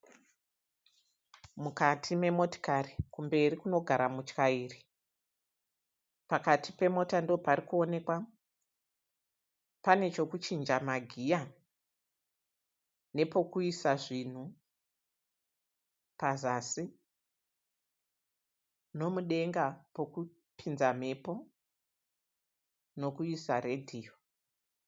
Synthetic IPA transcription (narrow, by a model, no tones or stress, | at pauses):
mukatʰime̞mo̞to̥karikumbe̞rikuno̞ɡʱaɾamut͡ʃkaiːri | pakatʰipe̞mo̞tando̞paɾikuo̞ne̞kwa | pane̞t͡ʃo̞kut͡ʃind͡ʒamaɡʱija | ne̞po̞kuisaʐin̤u | pazasi | no̞muɗe̞ŋɡapo̞ku | pʰinzam̤e̞po̞ | no̞kuisare̞dʱiːjo